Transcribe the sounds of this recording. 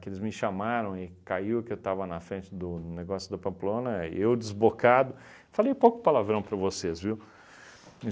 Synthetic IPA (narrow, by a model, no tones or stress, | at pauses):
kelɪzmɪʃamaɾɐ̃w̃ɪkaiwʊkɪewt̪avɐnɐfɾẽnt͡ʃɪd̪ʊneɡɔsjʊd̪ɐpɐ̃mplõnɐewd͡ʒɪzbokad̪ʊ | falejpowkʊ̥palavɾɐ̃w̃pɾɐvosezviw